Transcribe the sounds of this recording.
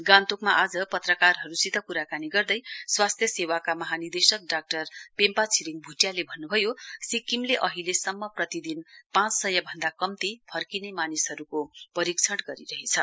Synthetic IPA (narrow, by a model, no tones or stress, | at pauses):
ɡãnt̪ukmaʔad͡zʌpʌt̪rʌkarɦʌɾusit̪ʌkuɾakaniɡʌrd̪ʌjswast̪ʰjʌsewakamʌɦanird̪esʌk̚ɖak̚ʈʌrpempat͡sʰiɾiŋbʱuʈjalebʱʌnːubʱʌjosikimleʔʌɦilesʌmːʌprʌt̪id̪inpãt͡ssʌjʌbʱʌnd̪akʌmt̪ipʰʌrkinemanisɦʌɾukopʌɾikt͡sʰʌɽɡʌɾiɾʌɦet͡sʰʌ